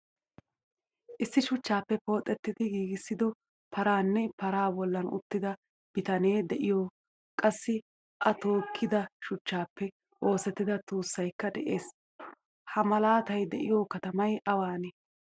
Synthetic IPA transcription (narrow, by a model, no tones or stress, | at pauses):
ʔɪsːɪʃʊt͡ʃːaːpːɛpo̞ːt̪ʼːɛt̪ːɪd̪ɪɡiːɡɪsːɪd̪ɔ | pʰɐɾaːnːɛpɐɾaːbɔlːɐnʊ̰t̪ːɪd̪ɐ | b̥ɪt̪ɐne̞ːd̪ɛʔɪjoː | kʼɐsːɪ | ʔɐt̪o̞ːkʰːɪd̪ɐʃʊt͡ʃːaːpːɛ | ʔo̞ːsɛt̪ːɪd̪ɐt̪uːsːɐjkːɐd̪ɛʔeːs | hɐmɐlaːt̪ɐjd̪ɛʔɪjoːkɐt̪ɐmɐjʔɐwaːnɛ